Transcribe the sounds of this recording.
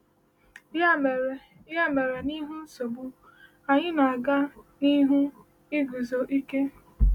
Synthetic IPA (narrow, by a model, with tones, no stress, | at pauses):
ja˦˨me˨˦ | a˦me˨ɾe˨ni˦ɦu˦n̩˦so˨bʊ˦ | a˨ɲɪ˦na˨a˨ɡa˦ni˦ɦu˦ | ɪ˦ɡu˨zo˨ʔi˦ke˦